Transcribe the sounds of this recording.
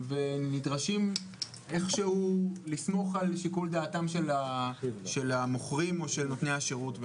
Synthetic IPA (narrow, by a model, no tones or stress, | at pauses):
ve̞nidʁaʃim | e̞χʃehulismo̞χalʃikuldaːtamʃe̞laʃe̞lamoχʁimo̞ʃelnotne̞jaʃeʁutv